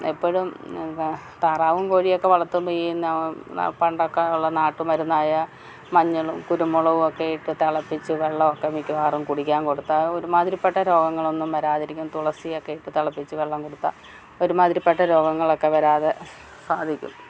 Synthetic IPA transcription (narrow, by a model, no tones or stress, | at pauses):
epːoɻum | t̪ɐraːʋumkoːɻijo̞kːe̞ʋɐɭɐt̪ːumbejijunːɐ̰pɐɳɖokːeuɭːɐnaːʈːumʋɐɾunːaːjɐ | mɐɲːɐɭumkuɾumːuɭɐʋumokːejiʈːɨt̪ɐɭɐpːit͡ɕːɨʋeɭːɐmokːemikʲːuʋaːrumkuɽikʲːaːnko̞ɽut̪ːaoɾumaːðiɾipːeʈːɐɾo̞ːɡɐŋːɐɭo̞nːumʋɐɾaːðiɾikʲːumt̪uɭɐsijokːejiʈːɨt̪ɐɭɐpːit͡ɕːɨʋeɭːɐmko̞ɽut̪ːa̰ | oɾumaːd̪ðiɾipːeʈːɐɾo̞ːɡɐŋːɐɭo̞kːe̞ʋɐɾaːðe | saːd̪ʱikʲːṵm